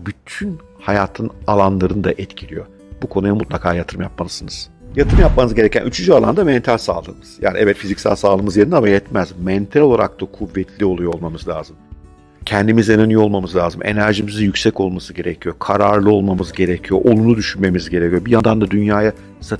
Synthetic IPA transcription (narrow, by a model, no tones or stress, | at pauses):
byt̪ʰyn | hajaːt̪ʰɯnalˠanlˠaɾɯnɯd̪a̰ʔɛt̪cʰilʲijo̞̰ | bukʰo̞nujamut̪lˠakʰaːjat̪ʰɯɾɯmjap̚malˠɯzɯnɯz̥jat̪ʰɯɾɯmjapmanɯzɟe̞ɛcʰænyt͡ʃʰynd͡ʒyalˠa̰nd̪amɛnt̪ʰalʲsa̰ːlˠɯ̰ːmɯz̥ja̰ːniʔɛvɛt̪fizicsæ̰lʲsaːlˠɯːmɯzjeɾinamajɛt̪mæzmɛnt̪ʰɛlʲolˠaɾa̰k̚t̪akʰuvːɛt̪ʰlʲio̞lˠujoolˠmamɯzlʲaːzɯm | cʰɛnd̪imizenanɯjoolˠmamɯzlʲaːzɯmʔe̞̰næɾʒimizijycʲsɛco̞lˠmasɯɟe̞ɾecʰijo̞kʰaɾaɾlˠɯo̞lˠmamɯzɟe̞ɾecʰijo̞ʔonunud̪yʃynme̞mizɟe̞ɾecʰijobijand̪and̪ad̪ynjaːja | sa